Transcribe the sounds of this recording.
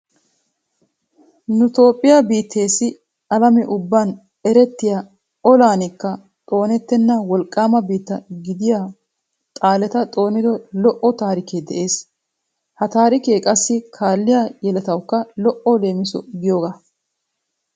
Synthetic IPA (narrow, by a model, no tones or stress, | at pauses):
nʊt̪o̞ːpʼːɪjabiːt̪ʰːe̞ːsːɪ | ɐlɐmɛʔʊbːaːn | ɛɾɛt̪ːɪja | ɔlaːnɪkːɐ | t̪ʼo̞ːnɛt̪ːɛnːɐwɔlkʼːaːmɐbiːt̪ːɐɡɪd̪ɪjaː | t̪ʼaːlɛt̪ɐt̪ʼo̞ːnɪd̪ɔlɔʔɔt̪aːɾɪkeːd̪ɛʔe̞ːs | hɐt̪aːɾɪkeːkʼɐsːɪkʰaːlːɪjaːjɛlɐt̪ɐwkːɐlɔʔɔle̞ːmɪsɔɡɪjo̞ːɡa